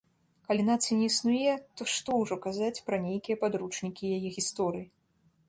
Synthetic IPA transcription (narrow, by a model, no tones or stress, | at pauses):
kalʲinat̪sɨjnʲɛisnujɛt̪ɔʂt̪ɔwʐɔkazat͡sʲpɾɐnʲejkʲijɛpad̪ɾut͡ʂnʲikʲijajɛɣʲist̪ɔɾɨji